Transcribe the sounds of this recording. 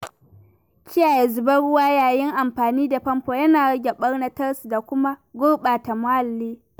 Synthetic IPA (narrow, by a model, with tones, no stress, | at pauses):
kʲɪ˦jaː˨je˨zʊ˨bɐ˦ɽʊ˦waː˦jaː˨jɪ˦ŋʔa˨mɸaː˨niː˦da˨ɸɐ˦mɸoː˨jɐ˦naː˨ɽɐ˦ɡʲe˨ɓɐ˦ɽna˦tɐ˦rsda˨kʷʊ˦ma˦ɡʷʊː˦ɓaː˨ta˨mʊ˦ha˨lːiː˦